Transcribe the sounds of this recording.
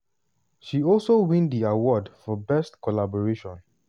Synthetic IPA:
ʃiɔlsowĩndiawɔdfɔbɛstkʰɔlabɔɹeʃɔ̃n

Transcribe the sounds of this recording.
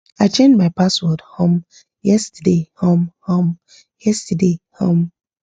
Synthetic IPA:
aɪt͡ʃẽndmaɪpaswɔdhõm | jɛstədehõmhõm | jɛstədehõm

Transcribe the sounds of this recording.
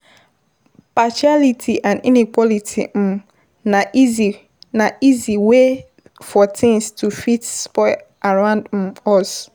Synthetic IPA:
pʰaʃalitʰiʔãnḭ̃nikʰʷɔlitʰḭm̩ | nãʔizi | nãiziwe | fɔtʰɪ̃ŋstʰufitspɔɪ | aɾãʊ̃ndm̩ɔs

